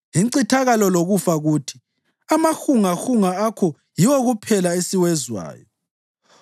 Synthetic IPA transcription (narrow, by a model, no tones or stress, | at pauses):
jiǀitʰaɣalɔloɣufaɣutʰi̥ | amaxuŋaxuŋaakʰɔ | jiwoɣupʰɛlaesiwɛzwa̰ːjɔ